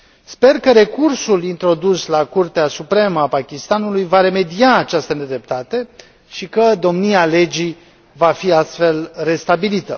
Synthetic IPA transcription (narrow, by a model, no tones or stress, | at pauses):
spe̞rkəɾe̞kursulint̪ɾo̞d̪uslakurt̪easupɾe̞məapakʲist̪anulujvaɾe̞me̞d̪iaːt͡ʃast̪əne̞d̪ɾe̞p̚t̪at̪e̞ | ʃikəd̪o̞mniale̞d͡ʒi | vafiast̪fe̞lre̞st̪abilit̪ə